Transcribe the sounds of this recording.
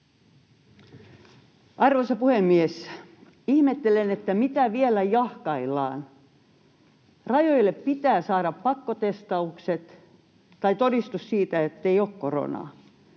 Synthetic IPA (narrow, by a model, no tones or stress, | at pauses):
ʔɑrʋosɑpuhemːies | ihmet̪ːelenet̪ːæmit̪æʋielæjɑhkɑilːɑ̰ːn | rɑjoilːeppit̪æːsɑːɾɑppɑkːot̪est̪ɑukset̪ | t̪ɑit̪odist̪ussiːt̪æet̪ːeioːkkoro̰nɑ̰ː